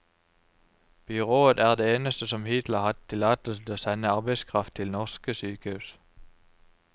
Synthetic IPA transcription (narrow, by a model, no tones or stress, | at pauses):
b̥ʏʁoːəd̪æːʁd̪eːeːnəst̪əsɔmhɪt̪ləʁhɑt̪ʰːɪlɑːt̪əl̩st̪oːsɛnəɑʁbæɪskʰʁɑft̪ʰɪlnɔʁskəsyːkəhʉːs